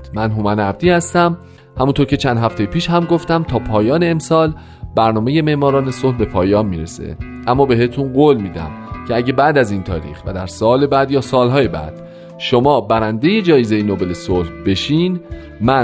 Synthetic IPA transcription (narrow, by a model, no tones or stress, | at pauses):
mænɦomænæb̚d̪iːhæst̪æm | hæmunt̪ʰoɾcʰe̞t͡ʃʰænd̪ɦæft̪e̞jpʰiːʃhæmɡo̞ft̪æmt̪ʰɒːpʰɒːjɒːne̞ːmsɒːl | bæɾnɒːme̞je̞me̞ʔmɒːɾɒːne̞solhbe̞pʰɒːjɒːnmiːɾesḛ | ʔæmːɒːbe̞ɦe̞t̪ʰunɢoːlmiːd̪æ̰mcʰe̞æɟe̞bæd̪æziːnt̪ʰɒ̰ːɾḭːxvæ̰d̪æɾsɒːle̞bæd̪jɒːsɒːlɦɒːjebæ̰d̪̥ | ʃo̞mɒːbæɾænd̪e̞je̞d͡ʒɒːjezejinobe̞lesolhbe̞ʃiːn | mæ